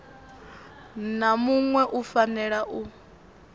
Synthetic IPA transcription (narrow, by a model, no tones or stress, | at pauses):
namuŋwɛʔufanɛɺaʔu